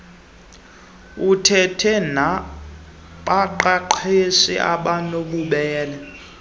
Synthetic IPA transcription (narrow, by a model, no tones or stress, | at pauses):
utʰɛtʰɛna | ǃaǃaǃʰesḭʔa̰ɓanoɓuɓɛːlɛ